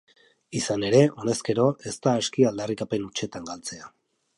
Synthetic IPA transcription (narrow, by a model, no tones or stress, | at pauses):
isane̞ɾe̞o̞ne̞ske̞ɾo̞ʔe̞st̪aeskiald̪arikape̞nut͡ʃe̞t̪aŋɡalt͡se̞a